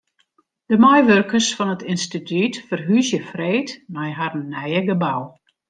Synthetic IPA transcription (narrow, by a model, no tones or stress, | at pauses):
d̥əmɔjʋørkərsfɔnətʰɪnstitytfərɦysjəfreːtmɛjɦarnɛjəɡəbaw